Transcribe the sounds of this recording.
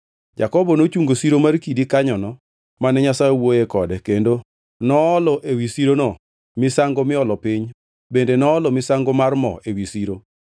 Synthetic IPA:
d͡ʒa̰kɔbɔnot͡ʃuŋɡosiɾomarkidikaɲɔnɔ | manɛɲasajewojekɔdɛkendo | nɔːlɔʔewisiɾonɔ | mɪsaŋɡomɪɔlɔpiɲ | bendenɔːlɔmɪsaŋɡomarmɔ̰ewisiɾo

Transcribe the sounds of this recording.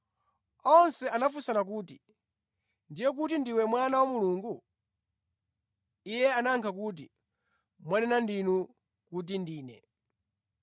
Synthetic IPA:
ɔnsɛʔanafusanak̬uːti | ndijɛk̬utindiwɛmwanawamuluːŋɡu | ijɛanaŋkʰak̬ut̬i | mwanɛnandinu | kut̬indiːnɛ̰

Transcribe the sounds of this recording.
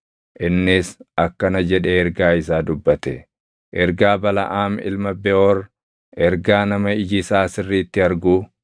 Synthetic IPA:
ʔɪnːɪsɐkːɐnɐd͡ʒɛᶑɛɛɾɡaːɪsaːd̪ʊbːɐt̪ɛ | ʔɛɾɡaːbɐlɐ̰ʔaːmɪ̰lmɐbɛʔɔɾ | ʔɛɾɡaːnɐmɐɪd͡ʒɪsaːsɪrːiːt̪ːɪɐɾɡuː

